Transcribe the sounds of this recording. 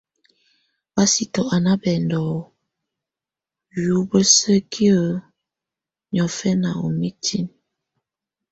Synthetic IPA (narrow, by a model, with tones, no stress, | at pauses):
b̥a˦si˦tɔ˨ʔa˨na˦bɛ˨ndɔ˨ | ju˨˦bə˦sə˦kʰi˦ə˦˨ | ɲɔ˨fɛ˦na̰˨o̰˨mi˦tʰi˦n